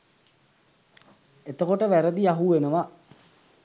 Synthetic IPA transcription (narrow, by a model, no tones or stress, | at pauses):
et̪əkoʈəʋæɾəd̪iaɦuʋenəʋa